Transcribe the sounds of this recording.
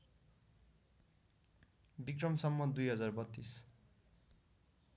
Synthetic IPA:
bikrʌmsʌmːʌd̪ujɦʌd͡zarbʌt̪ːis

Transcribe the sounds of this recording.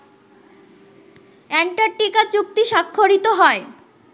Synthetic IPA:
ɛnʈaʈikat͡ɕuk̚t̪iʃakʰːoɾit̪oɦɔe

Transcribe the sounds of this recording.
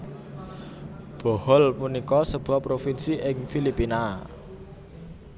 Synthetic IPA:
b̥ɔ̤hɔlpunikɔsəb̥ṳapɾofinsiʔɪŋfilipina

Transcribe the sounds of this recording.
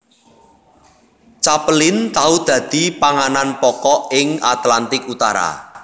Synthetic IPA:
t͡ʃapəlɪnt̪aud̪̥ä̤d̪̥i̤paŋananpɔkɔɪŋat̪lant̪ɪkut̪a̰ɾa̰

